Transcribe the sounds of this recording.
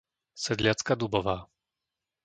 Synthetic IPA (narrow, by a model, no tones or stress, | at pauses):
sɛd̪lʲjat̪skad̪ubɔva